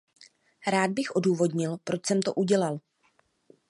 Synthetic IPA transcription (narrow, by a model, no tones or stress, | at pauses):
ɾaːd̪̚bɪxʔo̞duːvo̞dɲɪlpɾo̞t͡ʃsɛmt̪o̞̰ʔuɟɛlal